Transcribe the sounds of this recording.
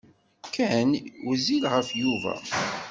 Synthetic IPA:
kænwzilʁəfjuvæ̰

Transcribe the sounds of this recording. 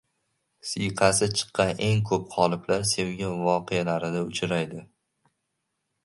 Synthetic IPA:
sɪjqʰɑsɪt͡ʃʰɨ̥qːɑne̞ŋkʰɵp̚qʰɒlˠɪblaɾsewɡʲɪvɒqʰejalaɾɪd̪aʊt͡ʃʰɾajd̪ɪ

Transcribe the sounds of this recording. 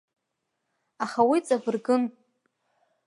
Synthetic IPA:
aχawit͡sʼabɨrɡɨn

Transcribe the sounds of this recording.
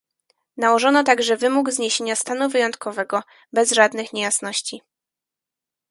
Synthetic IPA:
nawɔʐɔnɔt̪aɡʐɛvɘmuɡzɲeɕeɲast̪anuvɘjɔnt̪kʰɔvɛɡɔ | bɛzʐad̪nɘxɲɛjasn̪ɔɕt͡ɕi

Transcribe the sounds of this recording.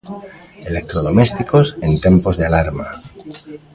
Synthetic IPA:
elek̚t̪ɾoðomest̪ikosent̪e̞mpo̞zðealaɾma

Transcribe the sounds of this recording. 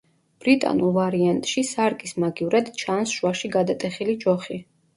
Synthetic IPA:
b̥ɾit̪ʼa̰nulˠvaɾiant̪ʼʃisaɾkʼismaɡivɾɛd̪t͡ʃʰansʃuwaʃiɡad̪at̪ʼɛχilid͡ʒɔχi

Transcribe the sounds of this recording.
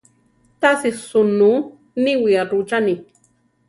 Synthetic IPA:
t̪asisunu | niwiaɾut͡ʃani

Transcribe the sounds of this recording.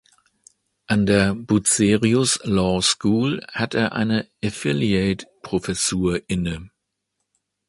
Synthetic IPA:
ʔandeːɐbut͡seːʁiʊslɔːskuːlhateːɐʔa̰ɪnəʔəfɪlieɪtpʁ̥ofɛsuːɐʔɪnə

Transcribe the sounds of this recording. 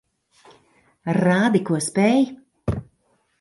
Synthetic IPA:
raːd̪ikuəspɛj

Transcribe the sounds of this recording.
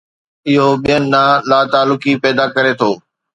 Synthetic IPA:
ɪɦoɓijənɪ̆naːlaːt̪aːlʊkipɛːd̪akɐɾet̪ʰoː

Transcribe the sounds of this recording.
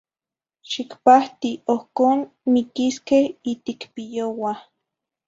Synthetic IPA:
ʃikpaht̪iohkoːn | mikiskehit̪ikpijowa

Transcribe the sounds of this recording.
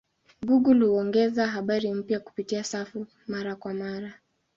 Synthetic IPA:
ɡuɡulhuɔŋɡɛzaɦaɓaɾim̩pjaku̥pitiasafu | maɾakwamaɾa

